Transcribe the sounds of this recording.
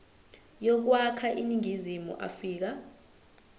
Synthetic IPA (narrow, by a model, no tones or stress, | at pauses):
jɔk̬wakʰaʔiniŋʱizimṵʔa̰fiːk̬a